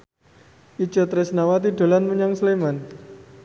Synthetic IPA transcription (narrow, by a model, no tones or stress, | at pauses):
ʔit͡ʃat̪ɾɛsnawat̪iɖo̤lanməɲaŋsleman